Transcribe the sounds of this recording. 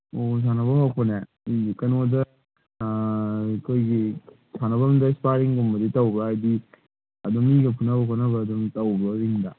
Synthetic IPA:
os̬ʰanɐbɐmak̚pɐne | iɡikɐnodɐ | kʰojɡi | sʰanɐbɐmdɐspaɾiŋɡombɐditɐwbɐːjdi | ɐdumiɡɐpʰunɐbɐkʰonɐβɐːdumtɐwbɐɾiŋdɐ

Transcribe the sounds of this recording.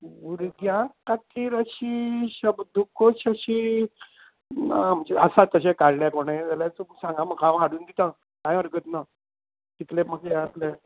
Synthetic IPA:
uɾɡjãkat̪iːɾəɕiɕəbd̪ukoɕəɕi | am̤əd͡ʑə̰sat̪ːəɕekaɾljakoɽ̃ãd͡zalãt̪umsãŋɡaməkãʋɦaɽuːnd̪it̪a | kãjəɾɡət̪na | t̪it̪lem̤əkaat̪le

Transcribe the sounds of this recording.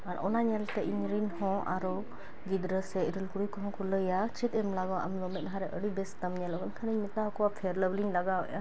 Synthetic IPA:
aɾɔnaɲɛlt̪ɛʔiɲɾinhɔ̃ʔaɾɔ | ɡid̪ɾəsɛiɾilkuɽujkɔɦɔ̃kɔləjat͡ʃit̪ɛmlaɡɔʔa̰mlɔmɛt̪̚ɦaɾɛʔəɽibɛst̪əmɲɛlɔkɔnkʰəniɲmɛt̪aɦkɔwapʰɛɾləbliŋlaɡaɔ̰ʔa

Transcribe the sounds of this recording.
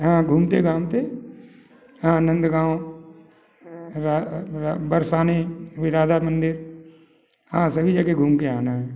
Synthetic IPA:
ɦãɡʱuːmt̪eɡaːmt̪e | ãnə̃nd̪ɡãːwõ | ɾa | bəɾsaːneʋɪɾaːd̪amə̃nd̪ɪɾ | ɦãːsəbʱid͡ʒəɡeɡʱuːmkeaːnaɦɛː

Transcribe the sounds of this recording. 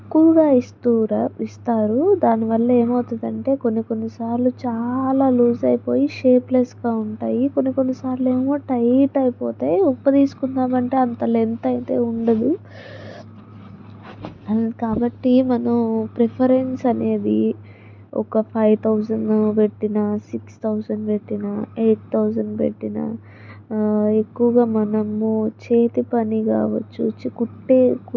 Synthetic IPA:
kːuʋuɡaːist̪uːɾist̪aːɾud̪aːniʋɐlːɐe̞ːmɐwt̪und̪ɐɳʈe̞ːko̞nːiko̞nːisaːɾlut͡ʃaːlaːluːzɐjipo̞ːjiʃe̞ːplesɡaːuɳʈaːjiko̞nːiko̞nːisaːɾlueːmo̞ːʈɐjʈɐjipoːt̪eːupːɐd̪iːsu̥kunːaːmɐɳʈe̞ːɐnt̪ɐlent̪ɐjt̪e̞ːuɳɖɐd̪i | kaːbɐʈːimɐnɐmpɾepʰɐɾensɐne̞ːd̪i | ɔ̰kɐpʰɐjʋt̪ʰɐwsɐɳɖpe̞ʈːinɐsikst̪ʰɐwsɐɳɖpe̞ʈːinɐeːʈ̚t̪ʰɐwsɐɳɖpḛʈːinɐ̰ | ekːuʋɐɡaːmɐnɐmːut͡ʃe̞ːt̪ipɐnika̰ːʋɐt͡ʃːṵt͡ʃikuʈːek

